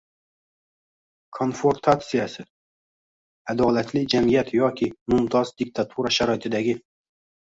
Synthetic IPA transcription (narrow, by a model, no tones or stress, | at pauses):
kʰo̞nfoɾt̪ʰat̪sijasɪ | ad̪ɒlat̪lɪd͡ʒamijat̪jɒkʲʰɪmʊmt̪ʰɒzd̪ɪk̚t̪ʰat̪ʰuɾaʃaɾɒɪt̪ʰɪd̪aɡʲɪ